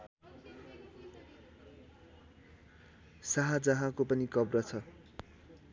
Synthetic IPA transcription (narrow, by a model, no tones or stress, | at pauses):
saɦad͡zʌɦãkopʌnikʌbrʌt͡sʰʌ